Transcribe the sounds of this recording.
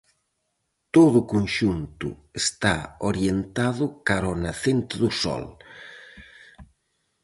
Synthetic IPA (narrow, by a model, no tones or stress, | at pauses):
t̪oðʊkonʃunt̪ʊ̰est̪aoɾjent̪aðʊkaɾɔnaθent̪ɪðʊsɔ̰l